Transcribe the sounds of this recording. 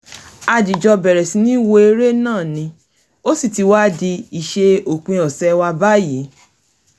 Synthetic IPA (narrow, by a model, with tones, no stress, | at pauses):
a˧d͡ʒi˨d͡ʒɔ˧bɛ˨ɾɛ˨sĩ˧˦nĩ˦i˦˨wo˧e˧ɾe˦nãː˦˨nĩ˧ | o˦si˦˨ti˨˧wa˦di˧i˨ʃe˧o˨k͡pĩ˧ɔ˨sɛ˧˦wa˧ba˦ji˨˦